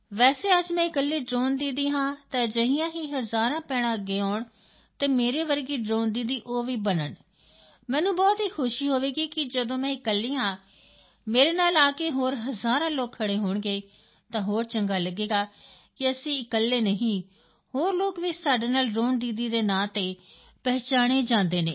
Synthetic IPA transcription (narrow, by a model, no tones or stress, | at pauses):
ʋɛːseːəd͡ʒmɛ̃ːɪkəlːeːɖɾoːnd̪iːd̪iːɦãːt̪ãːd͡ʒəɦijãːɦiːɦəzaːɾãːpɛːɽ̃ãːəɡːeːaːɳ | t̪eːmeːɾeːʋəɾɡiːɖɾoːnd̪iːd̪iːʔoːʋiːbənəɳ | mɛ̃ːnũːbɔːt̪ɦiːkʰʊʃiːɦoːʋeːɡiːkɪd͡ʒəd̪õːmɛ̃ːɪkəlːiːɦãː | meːɾeːnaːlaːkeːɦoːɾɦəzaːɾãːloːkʰːəɽeːɦoːɳɡeː | t̪ãːɦoːɾt͡ʃəŋɡaːləɡeːɡaː | kɪəsĩːɪkəlːeːnəɦĩː | hoːɾloːkʋɪt͡ʃsaːɖeːnaːlɖɾoːnd̪iːd̪iːd̪eːnaːt̪eː | pɛːt͡ʃaːɽ̃eːd͡ʒãːnd̪eːneː